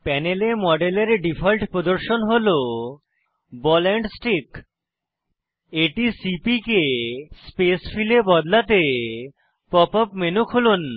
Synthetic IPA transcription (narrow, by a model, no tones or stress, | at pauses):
pɛnelemɔɖeleɾɖipʰɔlʈpɾod̪oɾʃonɦolo | bɔlɛɳɖsʈik | eʈisipikespesfilebɔd̪lat̪e | pɔpɔpmenukʰolun